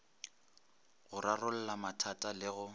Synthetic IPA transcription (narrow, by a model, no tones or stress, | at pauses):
ɣʊrarʊl̩lamatʰatʼalɪɣʊ